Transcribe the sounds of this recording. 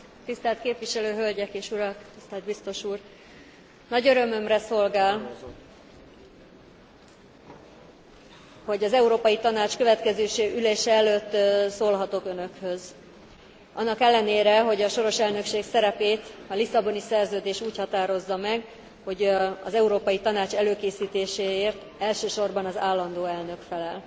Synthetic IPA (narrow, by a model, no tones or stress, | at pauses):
t̪ist̪ɛlt̪̚keːpʋiʃɛløːɦø̞lɟɛkeːʃuɾɒkt̪ist̪ɛld̪bist̪o̞ʃuːr | nɒɟøɾø̞mø̞mrɛso̞lɡaːl | ho̞ɟɒzɛuɾoːpɒjit̪ɒnaːt͡ʃkøvɛt̪kɛzøːʃeːʔyleːʃɛɛløːt̪ːsoːlɦɒt̪o̞kønø̞khø̞z | ʔɒnːɒkɛlːɛneːɾɛɦo̞ɟɒʃo̞ɾo̞ʃɛlnø̞kʃeːksɛɾɛpeːt̪ɒlisɒbo̞nisɛrzøːd̪eːʃuːchɒt̪aːɾo̞zːɒmɛɡ | ho̞ɟɒ̰zɛuɾoːpɒjit̪ɒnaːt͡ʃɛløːkeːsiːt̪eːʃeːeːrt̪ | ɛlʃøːʃo̞rbɒnɒzaːlːɒnd̪oːɛlnø̞kfɛlɛl